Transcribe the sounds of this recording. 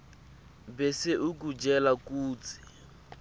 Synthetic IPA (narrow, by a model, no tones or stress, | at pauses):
bɛseʔuk̬ud͡ʒɛlakuːt͡sʰi̥